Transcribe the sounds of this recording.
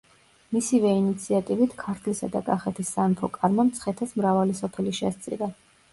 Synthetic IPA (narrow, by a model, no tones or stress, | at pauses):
misivɛinit̪sʰiat̪ʼivit̪ʰkʰaɾt̪ʰlisad̪akʼaχɛt̪ʰisːanpʰɔkʼaɾmamt̪sʰχɛt̪ʰasmɾavalisɔpʰɛliʃɛst̪sʼḭɾa